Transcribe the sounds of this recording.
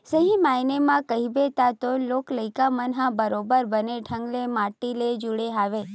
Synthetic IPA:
səɦĩmajnemãkəɦibet̪at̪olokləjkamənɦãbəɾobəɾbəneʈʰəŋɡlemaʈːiled͡ʒuɽeɦaʋe

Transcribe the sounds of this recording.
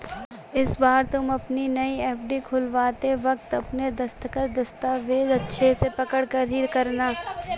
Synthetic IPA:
ɪsbaːɾt̪ʊmɐpninɐiɛːpʰɖikʰʊlʋaːt̪eʋɐk̚t̪ɐpned̪ɐst̪əkət̪d̪ɐst̪aːʋeːd̪ɐtːʃʰesepɐkəɽkɐɾɦiɾkɐɾnaː

